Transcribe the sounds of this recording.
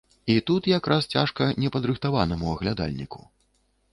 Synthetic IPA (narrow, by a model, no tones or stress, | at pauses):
it̪ut̪jakɾʔast͡sʲaʂkɐnʲɛpɐd̪ɾɨxt̪avanɐmuɐɣlʲad̪a̰lʲnʲḭku̥